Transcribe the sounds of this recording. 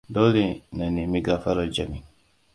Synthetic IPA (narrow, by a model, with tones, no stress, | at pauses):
do˦li˦˨na˨ni˨mi˦ɡa˦fa˦ɾa˨d͡ʒa˨mi˨